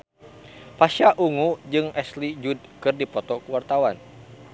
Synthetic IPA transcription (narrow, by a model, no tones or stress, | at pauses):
paʃaʔuŋud͡ʒɨŋɛslid͡ʒud̚kɨrdipɔt̪ɔkəwart̪awan